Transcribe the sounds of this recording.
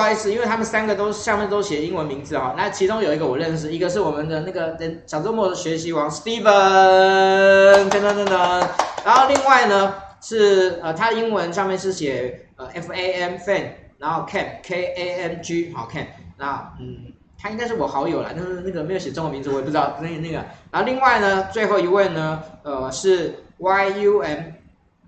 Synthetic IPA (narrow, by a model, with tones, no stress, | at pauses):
a˥˧ʂɻ̩˥˩i˥nwe˥˩ɪt̪ʰa˥mə˨nsa˥nɡə˨t̪o˥ʊ˥˩ɕɑ˥˧ŋmjnt̪o˥ʊɕjɛ˨˩˦i˥ŋwə˧˦nmi˧˥ŋd͡zɹ̩˨xɑ˨˩na˥˩t͡ɕʰi˧˥ʈ͡ʂʊ˥ŋjo˨˩i˧˥ɡə˧wɔ˨˩ɻə˥˧nʂ̬ɻ̩˨˩i˧˥ɡə˧ʂ̬ɻ̩˥˩wɔ˨˩mə˦nd̪ə˨na˥˩ɡə˩t̪ə˦nɕjɑ˨˩ʊt͡so˥˧˦mwɔ˥˩d̪ə˨ɕɥɛ˧˥ɕi˧˥wɑ˧˥ŋst̪i˥fə˨ | ntə˥nd̪ə˧t̪ə˧nd̪ə˨˩nna˧˥nxo˥˧li˥˧ŋwa˥˩ɪnə˩ʂɻ̩˥˩ə˨t̪ʰa˥d̪ə˨i˥ŋwə˧˦nʂɑ˥˧ŋmjɛ˥˧nʂɻ̩˥˩ɕjɛ˨˩ | ə˧ɛ˥fe˥ɪɛ˥mfɛ˥˩nɻa˧˥nxo˥˧ʊkʰɛ˥˩mkʰe˥ɪe˥ɛ˥˩mt͡ɕy˥ɑ˧˥kʰɛ˥˩mna˧˥n̩˥˩ | t̪ʰa˥i˥ŋka˥ɪʂɻ̩˥˩wɔ˨˩xɑ˧˥ʊjo˨˩ʊlə̰˦na˥˩˧na˥˩ɡə˩me˧˥ɪjʊɕɛ˨˩ʈ͡ʂə˥ŋxə˧˥mi˧ŋt͡su˧˥wɛ˨˩pu˥˩ɻ̩˥˩ə˧˥˧na˥˩ɡə˨˦na˧˥xo˥˧li˥˧ŋwa˥˩ɪnə˩t͡swe˥˧ɪxo˥˩ʊi˧˥we˥˩ɪnə˩ə˧˩ʂɻ̩˥˩wa˥ɪu˥ɛ˧˥m